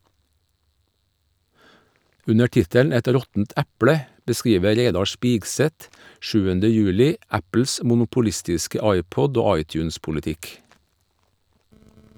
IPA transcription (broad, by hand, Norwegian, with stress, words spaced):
ˈʉnə ˈʈɪtəl ˈɛt ˈɾɔtn̩t ˈæpɽə bəˈskiːʋə ˈɾeɪdɑ ˈʃpiːɡsɛt ˈʃʉːəndə ˈjʉːlɪ ˈæpl̩s mʊnʊpʊˈlɪstɪskə ˈɑɪˌpɔd ˈoː ˈɑɪˌtjʉːnspʊləˌtɪk